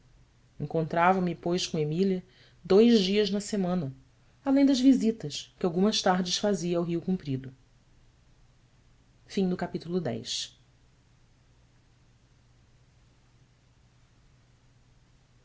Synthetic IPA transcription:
ẽŋkõnt̪ɾavɐ̃mɪpojʃkõemiliɐ | d̪ojʒd͡ʒiɐznɐsemɐ̃nɐ | alẽj̃d̪ɐzvizit̪ɐʃkɪawɡũmɐst̪aɾd͡ʒɪʃfaziɐːwɦiukũmpɾid̪ʊ | fĩd̪ʊkapit̪ulˠʊd̪ɛ̰jʃ

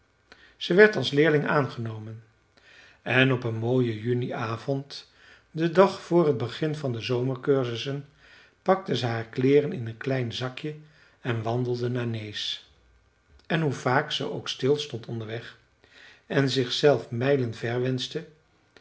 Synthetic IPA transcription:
z̥əʋɛɹtɑlˠslɪːɹlɪŋaːnχənowmən | ɛnɔpənmoːjəjyniʔaːvɔnt | dədɑχfʊːrɦəd̚bəχɪnvɑndəzowməɹkøːɹzəsən | pɑk̚təzəɦaːɹklɪːrənɪnənklɛjnzɑkjə | ɛnʋɑndəl̩ˠdənaːɹnejs | ɛnɦuv̥aːksə̰ʔowkstɪlˠstɔntɔndəɹʋɛχ | ɛnzɪχsɛlˠfmɛjlənvɛɹʋɛnstə

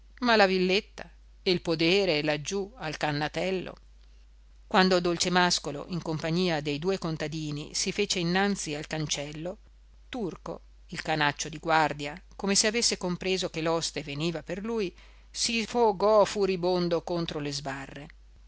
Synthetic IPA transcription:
malavilːet̪ːa̰ | elpod̪eːɾelad͡ʒːualkanːat̪ɛlːo̰ | kwand̪od̪olt͡ʃemaskolo̰ʔiŋkompaɲːiːad̪ejd̪uːekont̪ad̪iːnḭsifeːt͡ʃeinːant̪sialkant͡ʃɛlːo | t̪urko̰ | ilkanat͡ʃːod̪iɡward̪jakomeseavesːekompɾeːzokelɔst̪eveniːvaperluːj | sifoɡɔfuɾibond̪okont̪ɾolezbarːe

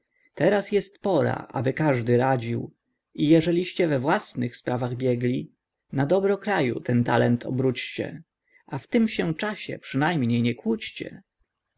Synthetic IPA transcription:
t̪ɛɾasjɛst̪pɔɾa̰ʔa̰bɘkaʐd̪ɘɾad͡ʑiw | ijɛʐɛlʲiɕt͡ɕɛvɛvwasnɘxspɾavaɣbʲjɛɡlʲi | nad̪ɔbɾɔkɾajṵt̪ɛnt̪alɛnt̪ʰɔ̰bɾut͡ɕt͡ɕɛ̰ | ʔaft̪ɘmɕɛt͡ʂaɕɛ̰pʂɘnajmɲejɲɛkwut͡ɕt͡ɕɛ̰

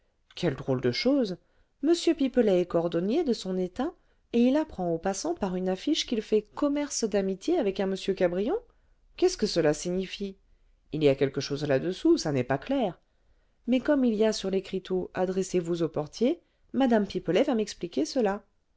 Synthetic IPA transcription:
kʲɛld̪ʁold̪əʃoz | məsjøpipəlɛɛkɔʁd̪ɔnjed̪əsɔ̃net̪ɛ̃ | eilapχɑ̃opasɑ̃paʁynafiʃkʲilfɛkɔmɛʁsd̪amit̪jeavɛkɛ̃məsjøkabʁijɔ̃ | kʲɛskəsəlasiɲifi | iliakʲɛlkəʃozlad̪əsusanɛpaklɛʁ | mɛkɔmilijasyʁlekχit̪ʰoʔad̪ʁɛsevuzopɔʁt̪je | mad̪ampipəlɛvamɛksplikʲesəla

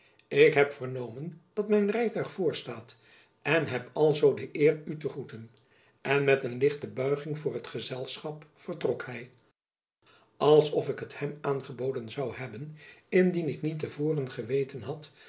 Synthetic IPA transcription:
ɪkɦɛpfərnowmənd̥ɑtmɛjnrɛjtœɥχfʊːɹstaːt | ɛnɦɛpɑlˠzowdəʔɪːrytəχutən | ɛnmɛtənlɪχtəbœɥχɪŋvʊːrɦətχəzɛlˠsχɑpfərtrɔkhɛj | ɑlˠsɔfɪkɦəthɛmaːnχəbowdənzɑwhɛbənɪndinɪknitəvoːrənχəʋejtənɦɑt

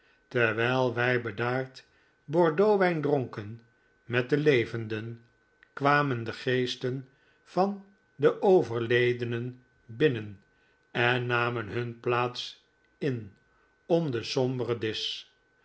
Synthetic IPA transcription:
tɛɹʋɛjlˠʋɛjbədaːɹt | bɔɹdowʋɛjndrɔŋkən | mɛt̚dəlejvəndən | kʋaːməndəχejstən | vɑn | dəʔowvəɹlejdənən | bɪnən | ɛnːaːmənɦɵnplaːts | ɪn | ɔmdəsɔmbərədɪs

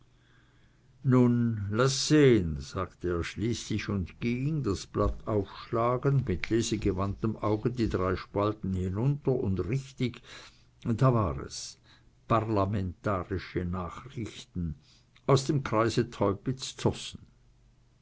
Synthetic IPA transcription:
nunlasːeːənz̥aːktəeːɐʃliːslɪçʊndɡ̥iŋdasb̥latʰaʊfʃlaːɡəndmɪtʰleːzəɡəvantəmaʊɡədiːdʁaɪʃpaltn̩hinʊntɐʊndʁɪçtɪç | daːvaːʁɛ̰s | paʁlamɛntaːʁɪʃənaːχʁɪçtn̩ | aʊsd̥emkʁ̥aɪzətʰɔʏpɪt͡st͡sɔsn̩

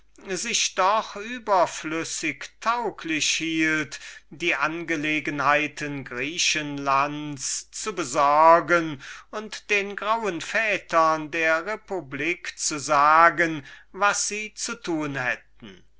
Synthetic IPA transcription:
zɪʃd̥ɔχyːbɐflʏsɪktʰaʊkʰlɪʃhiːltd̥iːʔanɡəleːɡənhaɪtʰənɡʁiːʃənlantst͡subəzɔɐɡənʊntd̥eːnɡʁawənfɛːtʰɐndeːɐʁepubliːkt͡suzaːɡənvasz̥iːt͡sutʰuːnhɛ̰t̚n̩

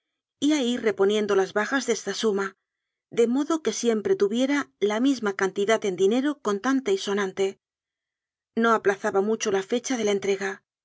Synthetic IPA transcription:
iaire̞po̞nje̞nd̪o̞lazβaxazðe̞st̪asuma | ðe̞mo̞ðo̞ke̞sje̞mpɾe̞t̪uβje̞ɾalamizmakant̪iðat̪e̞nd̪ine̞ɾo̞ko̞nt̪ant̪aiso̞nãnt̪e̞ | no̞aplaθaβamut͡ʃo̞lafe̞t͡ʃað̞e̞laent̪ɾe̞ɣa

